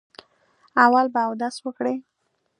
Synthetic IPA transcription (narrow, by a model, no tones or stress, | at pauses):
awalbaːwd̪aswəkɽe